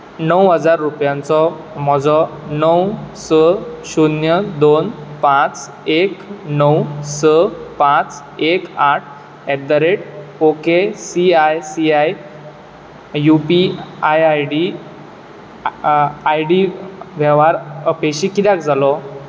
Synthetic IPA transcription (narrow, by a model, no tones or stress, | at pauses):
nəwɦəd͡zaɾːupjãnt͡sɔ | m̤ɔd͡zɔnəwsəɕunjəd̪onpãt͡s | eknəwsəpãt͡s | ekaʈ̚ʰ | ɛd̪əɾeʈ̚okesiajsiaj | jupiajajɖi | ajɖiʋʱɛʋaɾəpeɕikid̪jak̚d͡zʱalɔ